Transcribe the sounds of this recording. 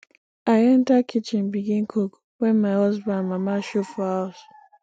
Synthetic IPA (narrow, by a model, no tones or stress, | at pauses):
aɪɛntakʰit͡ʃɪ̃nbiɡĩnkʰok | wɛnmaɪhɔzbãnmamaʃofɔhaʊs